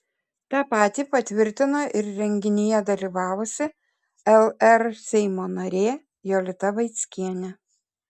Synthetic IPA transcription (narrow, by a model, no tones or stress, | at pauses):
t̪ɑːpɑːt̪ʲiːpɐt̪ʲʋʲɪɾʲt̪ʲɪnoːʔɪɾɾʲɛŋʲɡʲɪnʲɪjɛd̪ɐlʲiːʋɑːʋʊsʲɪ | ɛlˠɛɾsʲɛɪmoːnɐɾʲeː | joːlʲɪt̪ɐʋɐɪt̪sʲkʲiɛnʲɛ